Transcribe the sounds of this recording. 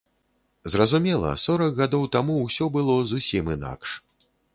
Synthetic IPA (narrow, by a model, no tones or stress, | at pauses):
zrɐzumʲɛlˠɐ̰sɔɾɐkɣad̪ɔwt̪amuwsʲɔbɨlˠɔzusʲimina̰kʂ